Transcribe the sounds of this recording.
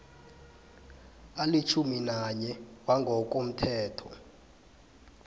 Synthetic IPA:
alit͡ʃʰuminaɲɛwaŋɡʱɔk̬ʼom̩tʰɛːtʰɔ̰

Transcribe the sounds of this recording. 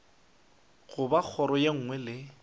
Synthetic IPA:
ɣʊbak͡xʰɔɾɔjeŋ̩ŋwɛlɪ

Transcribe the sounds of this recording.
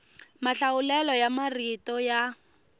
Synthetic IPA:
maɬaʊlɛlɔjamaritɔja

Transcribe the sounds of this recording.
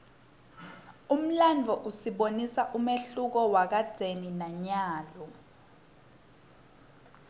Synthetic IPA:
um̩land͡vʱɔʔusiɓonisaʔumeɬuk̬ɔwak̬ad̥z̥ʱeninaɲaːlɔ

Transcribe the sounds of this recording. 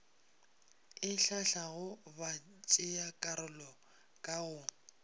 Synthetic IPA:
ɪɬaɬaɣʊba | t͡ʃʼɪakʼaɾʊlɔ | kʼaɣʊ

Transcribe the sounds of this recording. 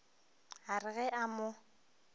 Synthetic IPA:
arɪɣɛʔamʊ

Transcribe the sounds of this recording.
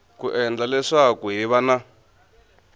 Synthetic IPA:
kuʔɛnd͡ɮalɛʂakuɦiβana

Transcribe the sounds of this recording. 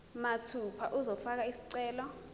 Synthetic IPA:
matʰupʰaʔuzɔfak̬aisi̥ǀɛːlɔ

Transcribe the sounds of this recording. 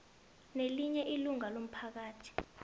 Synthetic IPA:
neliɲɛʔiluŋalom̩pʰak̬aːtʰi̥

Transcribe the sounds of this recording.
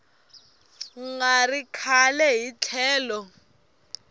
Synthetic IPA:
ŋarikʰalɛɦit͡ɬʰɛːlɔ

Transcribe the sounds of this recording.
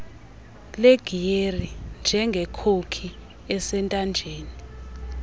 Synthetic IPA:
leɡ̥ʱijerind͡ʒʱɛŋɡʱɛkʰokʰi | ɛsɛntʼand͡ʒʱeːni

